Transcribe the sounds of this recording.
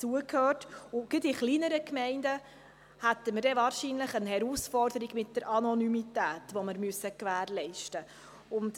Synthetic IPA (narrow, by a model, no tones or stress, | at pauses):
t͡suəkʰhøːtʊɡ̥idɪχliːnəɾəkmɛɪndə | hæt̪ːəməɾdɛvɑːɾʃiːnləχənhɛɾuːsfɔɾdəɾiɡmɪt̚d̥əɾʔɑnɔnymitæːtʋɔməɾmyəsəkʋæːɾlɛɪʃtə | ʊnt